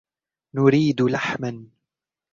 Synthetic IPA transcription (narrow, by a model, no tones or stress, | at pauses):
nʊɾiːd̪laħman